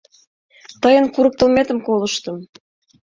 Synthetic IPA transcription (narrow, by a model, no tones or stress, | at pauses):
t̪ɤjənkuɾɤ̆k̚t̪ə̆lmet̪ə̆mkoləʃt̪ə̆m